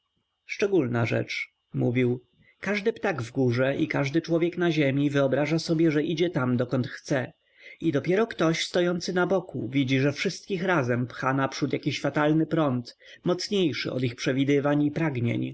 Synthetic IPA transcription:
ʂt͡ʂɛɡulnaʐɛ̰t͡ʂ | muvʲiw | kaʐd̪ɘpt̪aɡvɡuʐɛʔikaʐd̪ɘt͡ʂwɔvʲjɛknaʑemʲivɘɔbɾaʐasɔbʲjɛʐɛʔid͡ʑɛt̪amd̪ɔkɔnt̪xt̪sɛ | id̪ɔpʲjɛɾɔkt̪ɔɕst̪ɔjɔnt̪sɘnabɔkṵvʲid͡ʑiʐɛfʂɘst̪kʲixɾazɛmpxanapʂut̪jakʲiɕfat̪alnɘpɾɔnt̪ | mɔt̪sɲejʂɘ̰ʔɔ̰d̪ixpʂɛvʲid̪ɘvaɲipɾaɡɲḛɲ

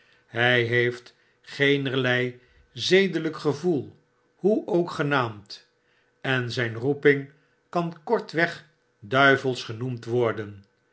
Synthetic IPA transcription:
ɦɛjɦejft | χejnərlɛj | zejdələkχəvulˠ | huʔowkχənaːmt | ɛnzɛjnrupɪŋ | kɑnkɔɹtʋɛχ | dœɥvəlˠsχənumtʋɔɹdən

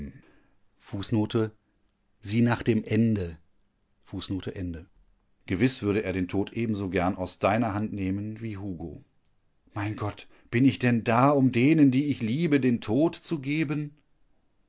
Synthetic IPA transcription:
fuːsnoːtʰə | ziːnaːχd̥eːmʔɛndə | fuːsnoːtʰəʔɛndə | ɡ̥əvɪsv̥ʏɐɾəʔeːɐɾeːntʰoːtʔeːbm̩zoːɡɛɐnaʊsd̥aɪnɐɦantneːmənviːɦuːɡo̰ː | maɪnɡɔt | b̥ɪnɪçd̥ɛndaːʊmdeːnəndiːɪçliːbədeːntʰoːtt͡suɡeːbən

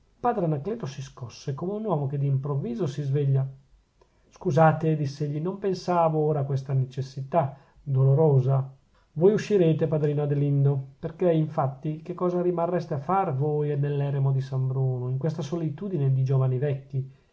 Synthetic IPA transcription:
ilpaːd̪ɾenakleːt̪osiskɔsːekomeunwɔːmok̟ed̪impɾovːiːzosizveʎːa | skuzaːt̪ed̪isːeʎːinompensaːvooːɾaːkwest̪anet͡ʃesːit̪a | d̪oloɾoːza | vojuʃːiɾeːt̪epad̪ɾiːnoad̪elind̪operkeiɱfat̪ːikekːɔːzaɾimarːɛst̪eafarvojɛnːelːɛːɾemod̪isambɾoːnoiŋkwest̪asolit̪uːd̪ined̪id͡ʒoːvanivɛkːi

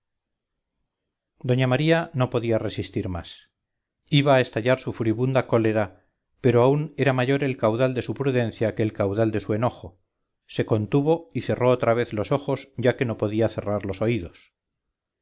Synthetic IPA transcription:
d̪o̞ɲamaɾiano̞po̞ðiare̞sist̪iɾma̰s | iβaːe̞st̪aʎaɾsufuɾiβund̪ako̞le̞ɾa | pe̞ɾo̞aune̞ɾamaʝo̞ɾe̞lkawðald̪e̞supɾuðẽ̞nθjake̞ːlkawðald̪e̞sue̞no̞xo̞ | se̞ko̞nt̪uβo̞iθe̞ro̞ot̪ɾaβ̞e̞θlo̞so̞xo̞sʝake̞no̞po̞ðiaθe̞raɾlo̞so̞iðo̞s

